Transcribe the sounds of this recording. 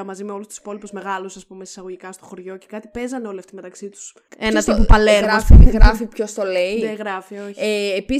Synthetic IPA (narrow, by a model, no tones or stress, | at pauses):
ɐmɐzimeo̞lust̪u̥si̥po̞lipuzme̞ɣɐlusɐspumesi̥sɐɣo̞ʝikɐst̪o̞xo̞ɾʝo̞ce̞kɐt̪i̥pe̞zɐneo̞liɐft̪ime̞t̪ɐksit̪u̥s | enɐt̪ipopɐleɣɾɐfiɣɾɐfipço̞st̪oleieɣɾɐfioçeːpi